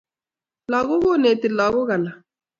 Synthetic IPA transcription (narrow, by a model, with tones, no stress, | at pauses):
la˨ɣʊ˦ɣʊ˦ne˨tɪ˨la˨ɣʊ˦ɣa˨la˨